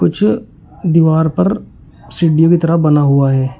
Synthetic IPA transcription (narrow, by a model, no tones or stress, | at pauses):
kʊt͡ʃʰ | d̪iʋaːɾpɐɾ | sɪɖijokit̪ɐɾəbɐnaɦuaɦɛː